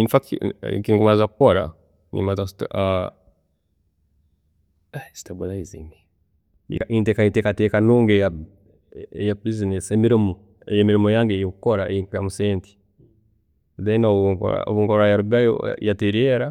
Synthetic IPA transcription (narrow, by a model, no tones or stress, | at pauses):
infakḭkiŋɡumazakpoɾa̰ | nḭmazasi̥tʔa | asi̥tabulaizḭmi | ḭkaʔintekaintekatekanuːŋɡeja | ejapɾizinesemiɾimo | ejemiɾimojaːŋɡejikukoɾaekjamuseːnti̥ | ðenoβkɾa̰o̰βuŋkoɾajaɾubao̰jateɾieɾa